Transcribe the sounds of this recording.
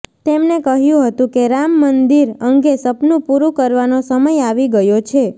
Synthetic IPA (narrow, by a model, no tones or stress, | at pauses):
t̪emnekəɦjũɦət̪ũkeɾamːənd̪iɾəŋɡesəpnũpuɾũkəɾʋanosəməjaʋiɡəjot͡ʃʰe